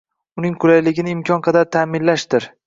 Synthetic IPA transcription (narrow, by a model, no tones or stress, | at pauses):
ʊnɪŋkʰʊlajlɪɡʲɪnɪɪmkʰɒnqʰɑd̪aɾt̪ʰamɪnlaʃd̪ɪɾ